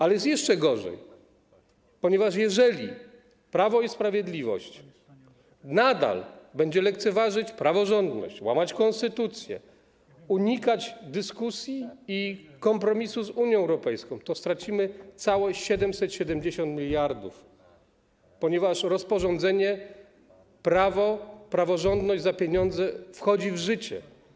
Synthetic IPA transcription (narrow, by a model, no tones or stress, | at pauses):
alɛjɛst̪jɛʂt͡ʂɛɡɔʐɛ̰j | pɔɲɛvaʂ̬jɛʐɛlʲi | pɾavɔispɾavʲjɛd̪lʲivɔ̰ɕt͡ɕ | nad̪a̰lbɛɲd͡ʑɛlɛk̚t̪sɛvaʐɘt͡ɕpɾavɔʐɔnd̪nɔ̰ɕt͡ɕwamat͡ɕkɔ̃nst̪ɘt̪ut̪sʲjɛ̰ | uɲikat͡ɕd̪ɘskusʲjiː | kɔmpɾɔmʲisuzuɲjɔ̃ɛwɾɔpɛjskɔ̃w̃t̪ɔst̪ɾat͡ɕimɘt̪sawɔɕɛd̪ɛmsɛt̪ɕɛd̪ɛmd͡ʑeɕɔ̃nt̪mʲilʲjaɾd̪uf | pɔɲɛvaʂɾɔspɔʐɔ̃nd̪zɛɲɛ | pɾavɔpɾavɔʐɔnd̪nɔʑd͡ʑzapʲjeɲɔnd̪zɛfxɔd͡ʑivʐɘt͡ɕɛ̰